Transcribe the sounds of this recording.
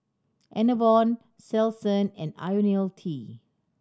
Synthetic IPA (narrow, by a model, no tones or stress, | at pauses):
ʔɛ̃nəvɔ̃n | sɛlsə̃nɛ̃na̰joniltʰi